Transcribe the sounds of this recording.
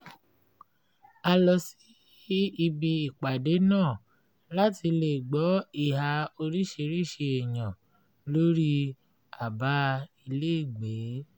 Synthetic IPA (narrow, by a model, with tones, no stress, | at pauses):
a˧lɔ˨si˨˦ | i˧bi˧i˨k͡pa˨de˨˦nãː˦˨ | la˦ti˧le˨ɡ͡bɔ˨˦i˦˨ɦa˧o˧ɾi˦ʃe˧ɾi˦˨ʃe˧e˨j̃ã˨ | lo˦ɾi˦ | a˨ba˦i˧le˦i˦˨ɡ͡be˨˦